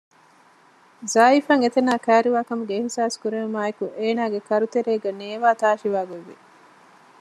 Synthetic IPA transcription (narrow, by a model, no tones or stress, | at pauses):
zaːifɐŋet̪enaːkæːɾiʋaːkɐmuɡeːhsaːskuɾeɐmaːekuʔeːnaːɡekɐɾut̪eɾeːɡɐneːʋaːt̪aːʃiʋaːɡoʋḭ